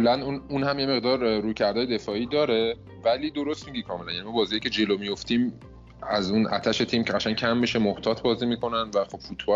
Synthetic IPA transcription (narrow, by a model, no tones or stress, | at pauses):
lænununhæmjeme̞ɣd̪ɒːɾːuːcʰæɾd̪ɒːje̞d̪e̞fɒːiːd̪ɒːɾe̞ | væliːd̪o̞ɾo̞st̪miɟikʰɒːme̞lænjænimɔbɒːziːjicʰed͡ʒe̞lomijo̞ft̪iːm | æzunʔæ̰t̪ʰæʃe̞t̪ʰiːmcʰeɢæt͡ʃʰæncʰæmːiʃemoht̪ʰɒːt̪ʰbɒːziːmiːkʰo̞nænd̪væχo̞b̥fut̪ʰb̥ɒ